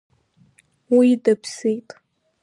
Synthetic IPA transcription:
widɐpʰsejtʼ

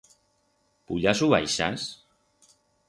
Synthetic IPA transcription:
puʎasuβa̰jʃa̰s

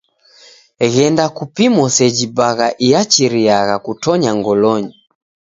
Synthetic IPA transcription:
ɣɛndakupimɔsɛd͡ʒibaɣaʔijat͡ʃiɾiaɣakutɔɲaŋɡɔlɔɲi

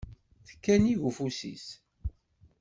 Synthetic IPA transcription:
θə̥kːæniʝufusḭs

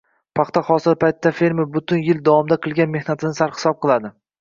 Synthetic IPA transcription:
pʰɑχt̪ʰaχɒsɪɾpʰajt̪ʰːafeɾmɪɾbʊt̪ʰʊnjɪld̪avɒmd̪aqʰɨlˠɡʲanme̞hnat̪ʰɪnɪsaɾhɪ̥sɒp̚qʰɨlˠad̪ɪ

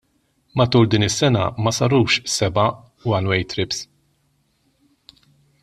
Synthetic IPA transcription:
mɐt̪uːld̪iːnɪsːɛnɐ̰mɐsɐɾuːʃsɛbɐ | wɐnwɛjt̪ɾɪps

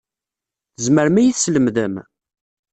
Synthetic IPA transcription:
θəzməɾmæjiθsləmðəm

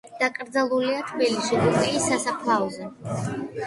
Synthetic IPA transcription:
d̪̥akʼɾd̪zalˠuliat̪ʰbilisibupʼiisasapʰlaɔzɛ

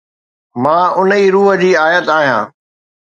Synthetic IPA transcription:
mãːʊniːɾuːɦə̆d͡ʑiːaːjət̪aːɦijã̰ː

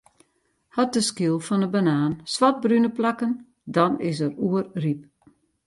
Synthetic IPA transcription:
hat̚dəskiəlˠfɔnəbanaːnsʋat̚brynəplakən | dɔnɪs̬əruərrip̚

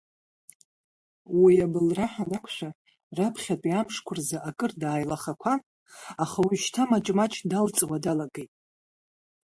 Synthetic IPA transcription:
wiabɨlraħanakʷʰʃʷᶣa | rapʰχʲapʼiamʂkʷʰʊrzaʔakʼɨrdaːjlaχakʷʰa | aχawiʃtʰamat͡ʃʼmat͡ʃʰʼdalt͡sʼwadalaɡejtʼ

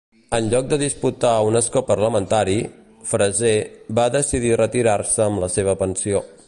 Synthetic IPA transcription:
ənʎɔk̚d̪əðisput̪aunəskopərləmənt̪aɾi | fɾəzeβaðəsiðirət̪iɾarsəːmləseβ̞əpənsio

